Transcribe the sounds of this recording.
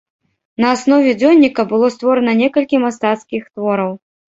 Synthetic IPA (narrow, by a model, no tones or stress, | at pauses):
nɐasnɔvʲɛd͡zʲɔnʲːikɐbɨlˠɔst̪vɔɾɐnɐnʲɛkɐlʲkʲimast̪at̪skʲixt̪vɔɾɐw